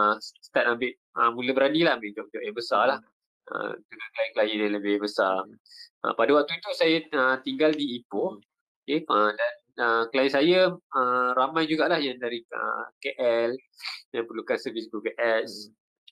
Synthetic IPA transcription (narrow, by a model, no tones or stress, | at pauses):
əsst̪at̪̚ambɪʔ | əmũləbəɾadilahmedoʔt̪ʊʔjaŋbəsalah | ə̰t̪uɡakəlajinkəlajənjãnləbɪbəsaʔə̰padawak̚t̪uit̪usajəət̪iŋɡaldiːpo | okeədan | əkəlajɪnsajəəɾamãjd͡ʒuɡaʔlahjaŋdaɾiə̰keʔɛl | jãŋpəlukansəvisit̪ukəʔɛs